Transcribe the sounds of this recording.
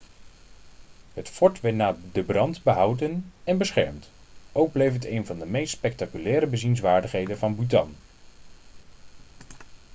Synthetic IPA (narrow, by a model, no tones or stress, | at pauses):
ɦətfɔɹtʋɛɹtnaːdəbrɑntbəɦʌwdənɛnbəsχɛɹmtʔowɡ̚blejfətejnvɑndəmejstspɛk̚takylɛːɾəbəzinsʋaːɹdəχɦejdənvɑnbutɑ̰n